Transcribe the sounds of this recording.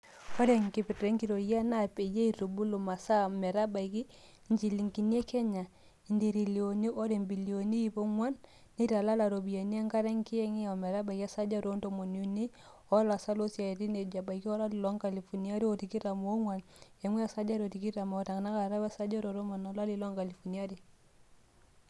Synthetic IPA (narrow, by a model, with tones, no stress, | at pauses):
ɔ˦ɾe˨ŋki˨pi˨tɾe˦ŋki˨ɾo˨ja˦na˦˨pe˨je˦i˨ɾo˨bu˦lo˨ma˨sa˦mɛ˨ɾa˦ba˨i˨ki˦ | ɲt͡ʃi˨li˨ŋki˨ni˦e˦kɛ˦ɲa˨ | i˨ndi˨ɾi˨li˨o˨ni˦ʔo˦ɾe˨mbi˨li˨o˨ni˦i˦po˦ŋwa˦nː | e˦ta˨la˦la˨ɾo˨bi˨ja˨ni˦a˦ŋka˦ɾe˦ŋ˦ki˦ɛ˦ŋi˦a˨mɛ˨ɾa˦ba˨ki˦a˦sa˦d͡ʒa˦ɾo˦nto˦˨mo˨nu˨ni˦ | ɔ˦la˨sa˦lo˦sja˨ti˦ne˨d͡ʒa˨ba˨i˨ki˦ɔ˦la˦li˨lɔ˦ŋka˨li˨fɔ˨ni˦a˦ɾi˦o˨ti˨ki˦ɾa˨m˦o˦ŋwa˨ne˨ŋwɛ˦a˨sa˦d͡ʒa˦ɾo˨ti˨ki˦ɾa˨mo˨ta˨ŋ˨na˦ka˨ɾa˦ba˦sa˦d͡ʒa˦ɾo˨ɾo˦ma˨nɔ˨˦la˦li˨lɔ˦ŋka˨li˨fɔ˨ni˦a˦ɾi˨